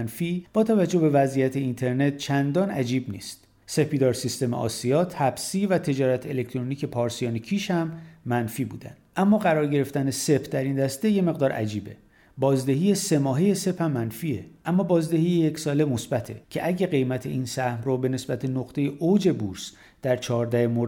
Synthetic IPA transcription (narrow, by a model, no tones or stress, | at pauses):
nfib̥ɒːt̪ʰævæd͡ʒːobe̞væzijæt̪ʰeint̪ʰe̞ɾne̞t̪̚t͡ʃʰænd̪ɒːnʔæ̰d͡ʒiːbnḭːst̪ | se̞pʰiːd̪ɒːɾsist̪e̞meʔɒ̰ːsiɒːt̪ʰæbsiːvæt̪ʰe̞d͡ʒɒːɾæt̪ʰelecʰt̪ʰɾo̞niːce̞pʰɒːɾsijɒːnecʰiːʃhæmːænfiːbṵːd̪æ̰nd̪̥ʔæmːɒːɣæɾɒːɾɟe̞ɾe̞ft̪ænese̞pʰd̪æɾind̪æst̪eje̞me̞ɣd̪ɒːɾʔæ̰d͡ʒiːbe | bɒːzd̪eɦiːjese̞mɒːɦejese̞phæmːænfiːeʔæmːɒːbɒːzd̪ehijejecsɒːle̞mo̞sb̥æt̪ʰe̞̰cʰe̞ʔæɟeɣe̞jmæt̪ʰe̞ʔiːnsæhmrɔbe̞ne̞sbæt̪ʰe̞noqt̪ʰe̞je̞ʔod͡ʒe̞buɾs | d̪̥æɾt͡ʃʰɒːɾd̪æhemoɾ